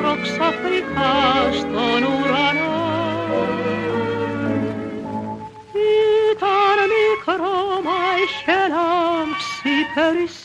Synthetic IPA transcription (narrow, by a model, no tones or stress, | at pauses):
roksɑfrikʰɑst̪onuɾɑno | it̪ɑɾmikɾomɑiʃɛnɑmksipʰɛɾis